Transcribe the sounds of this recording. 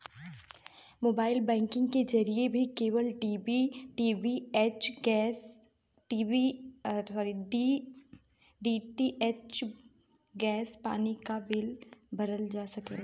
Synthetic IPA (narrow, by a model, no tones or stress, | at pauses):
moːbaːɪlbɛ̃ːŋkɪ̃ŋɡked͡ʒɐɾiebʱikeːʋəlʈibiʈiːʋiet͡ʃɡːs | ʈiːi | ɔɾiɖi | ɖiːʈiʔet͡ʃ | ɡɛːspa̰ːnikaʋeːlbɐɾəld͡ʒaːsɐkḛː